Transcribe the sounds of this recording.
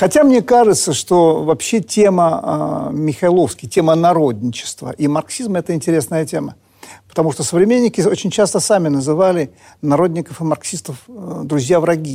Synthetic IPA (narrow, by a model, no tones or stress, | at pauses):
xɐtʲamnʲe̞kaʐɨt̪səʂt̪o̞vɐpɕːetʲemə̰ | mʲɪxɐɪlˠo̞fskʲɪjtʲe̞mənɐɾod̪ʲnʲɪt͡ɕɪ̥st̪və̰ʔimɐrksʲizmɛt̪əɪnʲtʲɪɾʲe̞snəjətʲe̞mə | pə̥t̪ɐmuʂt̪osəvɾʲɪmʲenʲːɪkʲɪo̞t͡ɕɪnʲt͡ɕast̪əsamʲɪnəzɨvalʲɪ | nɐɾo̞d̪ʲnʲɪkəfɨmɐrksʲist̪əfd̪ɾʊzʲjavɾɐɡʲi